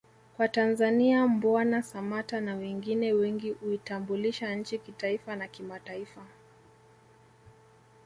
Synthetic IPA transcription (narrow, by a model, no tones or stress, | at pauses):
kwatanzaniambanasamatanawɛŋɡinɛwɛŋɡihuitambuliʃaɲ̩t͡ʃikitaifanakimataifa